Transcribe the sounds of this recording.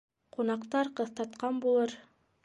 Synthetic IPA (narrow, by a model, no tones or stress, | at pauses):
qʰunɑqt̪ɑɾqɤ̆θt̪ɑt̪qɑnbulˠɤɾ